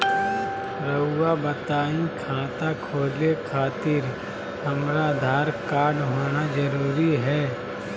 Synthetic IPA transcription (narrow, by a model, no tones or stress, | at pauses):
ɾəʊːabət̪aːĩkʰãːt̪akʰoːlekʰaːt̪ɪɾ | hɐmɾad̪ʱaːɾkaːɾɖɦoːnad͡ʒəɾuːɾiɦɛː